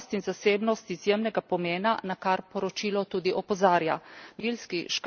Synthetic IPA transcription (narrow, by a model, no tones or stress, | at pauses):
st̪inzaseːbnɔst̪izjeːmnɛɡapɔmeːnanakaɾpɔɾɔt͡ʃilɔt̪uːd̪iʔɔpɔzaːɾjaʋilskiʃk